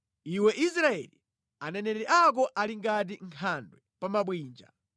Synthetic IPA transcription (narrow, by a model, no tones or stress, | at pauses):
iwɛʔisɾaɛ̰li | anɛnɛɾɛʔak̬ɔʔaliŋɡat̬iŋkʰandwɛpamaɓwiːnd͡ʒa̰